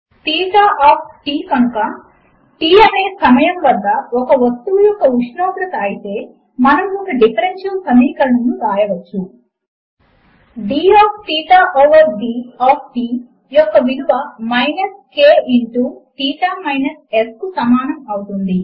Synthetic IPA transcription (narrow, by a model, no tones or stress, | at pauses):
t̪iːʈaːʔaːp̚ʰʈiːkɐnukɐ | ʈiːɐne̞ːsɐmɐjɐmʋɐd̪ːɐɔkɐʋɐst̪ːujɔkːɐuʃnoːɡɾɐt̪ɐːjit̪e̞ː | mɐnɐmokːɐɖipʰɐɾenʃɐlsɐmiːkɐlɐnunːuɾaːjɐʋɐt͡ʃːu | ɖiːaːpʰʈ̪iːʈaːʔoʋɐɾɖiːaːp̚ʰʈiː | jɔkːɐʋid̪uʋɐmɐjnɐskeːiɳʈuʈiːʈ̪aːmɐjnɐseskusɐmaːnɐmɐwut̪und̪i